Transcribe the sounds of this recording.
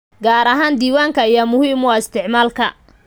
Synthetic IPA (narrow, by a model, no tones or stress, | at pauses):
ɡaːɾɐɦaːnd̪iːwaːŋkʰɐijɐmʊhiːmwɔːɪst̪ʰɪʕmaːlkʰɐ̰